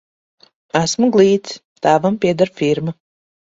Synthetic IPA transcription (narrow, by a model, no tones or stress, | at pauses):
æsmuɡlˠiːt̪s | t̪aːvampiɛd̪aɾfʲiɾma